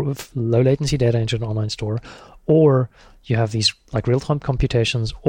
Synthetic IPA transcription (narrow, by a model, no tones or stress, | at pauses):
vloʊleɪd͡ʒn̩sideɪɾəɪ̃ntə˞ə̃nɔ̃nlãɪ̃nstɔɹə˞ | jɨəvðizlaɪkɹilˠtʰãɪ̃m̚kʰɑ̃mpjʉtʰeɪʃə̃nz